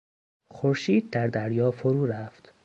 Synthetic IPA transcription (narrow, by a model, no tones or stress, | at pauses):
xoɾʃiːd̪̚d̪æɾd̪æɾjɒːfoɾuːɾæft̪